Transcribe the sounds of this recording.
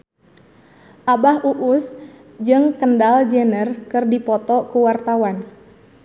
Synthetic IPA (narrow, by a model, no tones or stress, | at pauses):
ʔabaɦuʔus | d͡ʒɨŋkəndald͡ʒɛnərkɨrdipɔt̪ɔkuwart̪awan